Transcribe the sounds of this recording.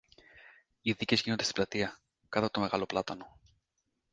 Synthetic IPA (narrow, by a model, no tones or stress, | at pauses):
iðice̞zʝinond̪est̪i̥blɐt̪iɐ | kɐt̪ɐt̪o̞me̞ɣɐlo̞plɐt̪ɐno̞